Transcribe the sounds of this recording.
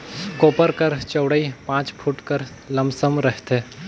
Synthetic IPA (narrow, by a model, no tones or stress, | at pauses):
koːpəɾkəɾt͡ʃəwɽəipãːt͡ʃpʰuʈkəɾ | ləmsəmɾəɦt̪eː